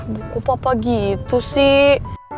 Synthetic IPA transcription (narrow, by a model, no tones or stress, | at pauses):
bukupapaɡit̪usih